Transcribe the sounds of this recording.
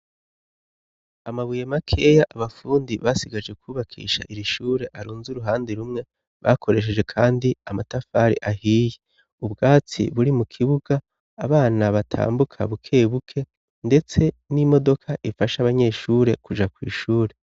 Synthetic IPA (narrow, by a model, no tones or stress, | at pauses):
amaβujemakʰe̞jaʔaβafuːndiβasiɡad͡ʒɡe̞kwuːβakʰḭːʃa̰ʔiɾiʃuːɾe̞ʔaɾuːnzuɾuɦaːndeɾumŋe̞ | βa̰kʰo̞ɾe̞ʃ̬e̞d͡ʒe̞kʰaːndiamatafaɾḭʔahiːje | ubɡaːt͡sḭβuɾimukʰiβuɡ̥aː | βaːnaβatʰa̰ːmbukʰa̰βukʰe̞ːβukʰe̞ | nde̞t͡se̞ | nimo̞do̞kʰaʔifaʃaβaɲe̞ːʃuːɾe̞kud͡ʒakwḭːʃuːɾe̞